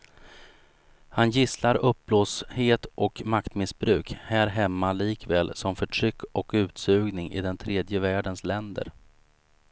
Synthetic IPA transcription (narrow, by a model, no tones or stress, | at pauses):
hanjɪslaɾɵp̚ːbloːsheːt̪ʔɔkmakt̪mɪsbɾʉ̟ːkhæːɾɦɛmːaliːkvɛːlsɔmfœʈʰɾʏkːɔkʉ̟ːt̪sʉ̟ːɡnɪŋʔɪ̰d̪ɛnt̪ʰɾeːd̪jəvæːɖənslɛnd̪ə̰ɾ